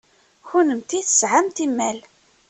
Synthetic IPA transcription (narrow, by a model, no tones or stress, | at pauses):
çunəmt̪iθəsʕamt̪imːæl